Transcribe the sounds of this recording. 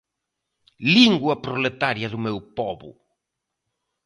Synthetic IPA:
liŋɡwɐpɾolet̪aɾjɐðʊmewpɔβʊ̰

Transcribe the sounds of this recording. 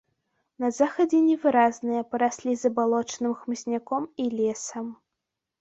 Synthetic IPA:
nɐzaxɐd͡zʲɛnʲɛvɨɾaznɨjɐpɐɾasʲlʲizɐbalˠɔt͡ʂnɨmxmɨsʲnʲakɔmilʲɛsɐm

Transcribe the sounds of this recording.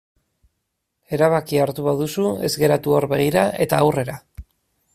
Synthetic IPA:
e̞ɾaβakiaɾt̪uβaðusue̞̰zɣe̞ɾat̪uoɾβe̞ɣ̞iɾae̞t̪aːwre̞ɾa

